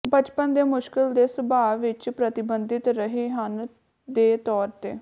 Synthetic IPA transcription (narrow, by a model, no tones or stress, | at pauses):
bət͡ʃpənd̪eːmʊʃkɪld̪eːsəbaːʋɪt͡ʃpɾət̪ɪbənd̪ɪt̪ɾəɦeːɦən | d̪eːt̪ɔːɾt̪eː